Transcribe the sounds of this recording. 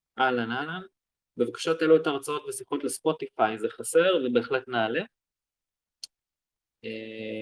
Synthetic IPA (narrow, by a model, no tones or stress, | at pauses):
ʔalanalan | bevakḁʃat̪eluet̪aʁat͡sao̞t̪vesiχotlespo̞t̪ifajzeχase̞ʁvebe̞ːχletnaːle | e